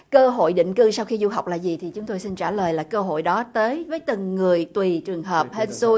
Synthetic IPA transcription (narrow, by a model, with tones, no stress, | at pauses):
kəː˧ɦo̰˧˨jɗḭ˧˨ŋ̟kɨ˧sa˧wxi˧zu˧ɦa˨˩wk͡p̚laː˨˩zi˨˩t̪ʰi˨˩t͡ɕʊ˨˦ŋ͡mt̪o˧jsi˧nt͡ɕaː˧˩ləː˨˩jlaː˨˩kəː˧ɦo̰˧˨jɗɔ˨˦t̪əː˨˦jvəː˨˦jt̪ɨ˨˩ŋːɨ˨˩əjt̪wi˨˩t͡ɕɨ˨˩əŋɦəː˨˩p̚he˧nsu˧